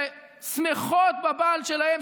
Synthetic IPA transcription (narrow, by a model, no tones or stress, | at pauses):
smeχot̪̚babalʃelahem